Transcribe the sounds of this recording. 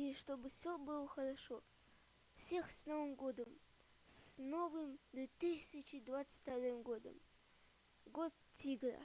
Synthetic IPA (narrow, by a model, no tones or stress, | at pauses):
iʂt̪obɨfsʲobɨlˠəxəɾaʂo | fsʲe̞xsnovɨmɡod̪əm | sno̞vɨmd̪vʲet̪ɨsʲɪt͡ɕɪd̪vat̪sɨ̥tʲt̪ɐɾɨmɡod̪ə̰m | ɡot̪̚tʲiɡɾa̰